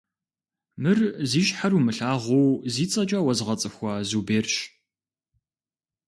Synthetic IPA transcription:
mɨrziːɕħarumɨɬaːʁʷowziːt͡sʼɐt͡ʃʼɐwɐzʁɐt͡sʼɨxʷɐzuːbeːrɕ

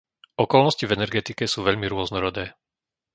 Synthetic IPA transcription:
ʔɔkɔlnɔscivɛnɛɾɡɛt̪ikɛsuːʋɛʎmiɾʊɔznɔɾɔd̪ɛː

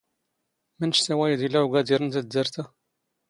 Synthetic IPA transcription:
mænəʃsæwæjd̪ilaʕuɡæd̪iɾənt̪æd̪ːəɾˤt̪a

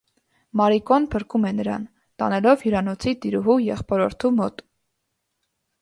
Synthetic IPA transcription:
mɑɾikɔnpʰəɾkumɛnəɾɑ̰n | t̪ɑ̰nɛlɔvjiɾɑnɔt͡sʰit̪iɾuɦujɛχpɔɾɔɾt̪ʰumɔt̪

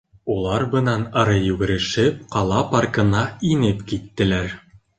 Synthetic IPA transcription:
ulˠɑɾbɤ̆nɑnɑɾɤjʉɡɘ̆ɾɘ̆ʃɘp̚qɑlˠɑpɑrkɤ̆nɑinɘpkit̪ːɘ̆læɾ

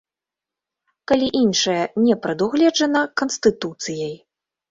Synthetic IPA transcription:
kalʲiʔinʂɐjɐnʲɛpɾɐd̪uɣlʲɛd͡ʐɐnɐkɐnst̪ɨt̪ut̪sɨjɐj

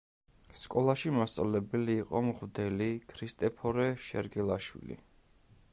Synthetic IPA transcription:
skʼɔlˠaʃimast̪sʼa̰lɛbɛliːqʼɔmχwd̪ɛlikʰɾist̪ʼɛpʰɔɾɛʃɛ̰ɾɡɛlˠaʃwḭlḭ

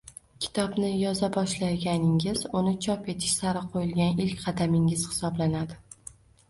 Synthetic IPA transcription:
kʲʰɪ̥t̪ʰɒbnɪjɒzabɒʃlaɡʲanɪŋɪz̥ʊnɪt͡ʃʰɒpe̞t̪ʰɪ̥ʃsaɾɪqʰojɪlˠɡʲanɪlkʲqʰɑd̪amɪŋɪz̥hɪ̥sɒblanad̪ɪ

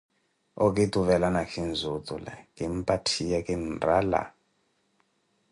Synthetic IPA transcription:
okʼitʼuβɛlanakʰind͡zʱutʼula̰ŋimpʼatʰijakʼinra̰la̰

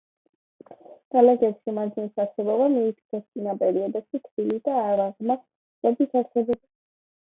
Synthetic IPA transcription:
ɡ̥alaɡɛɾʃimad̪zinisaɾsɛbɔbamiːpʰi̥k̪ʰɛst̪sʼinapʼɛɾiɔd̪ɛʃit̪ʰbilid̪aːɾaʁma | ɾad̪isʰaɾsɛbɔ

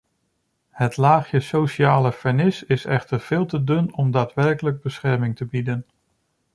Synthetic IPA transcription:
hətlaːχəsowʃaːləfəɹnɪsɪsɛχtəɹv̥ɪːlˠtədɵnɔmdaːtʋɛɹkələɡ̚bəsχɛɹmɪŋtəbidən

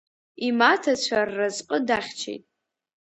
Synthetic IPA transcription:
imatʰat͡ɕʷʰarːazqʼədaχʲt͡ʃʰḛjtʼ

